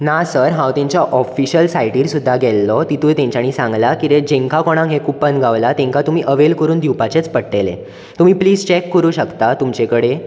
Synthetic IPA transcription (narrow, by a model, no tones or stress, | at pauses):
nasəɾɦãwt̪ẽɲt͡ɕjaʔɔfiɕəlsajʈiːɾsud̪ʱːaɡɛlːɔt̪it̪ujt̪ẽɲt͡ɕaɽ̃iːsãŋɡlakit̪ed͡ʑẽŋkakɔɽ̃ãŋɦekupənɡʱaʋlat̪ẽŋkat̪um̤iːʔəʋelkəɾuːnd̪iwpat͡ɕet͡spəɽʈelḛ | t̪um̤iːpliːd͡zt͡ɕekːəɾuːɕəkt̪at̪umt͡ɕekəɽe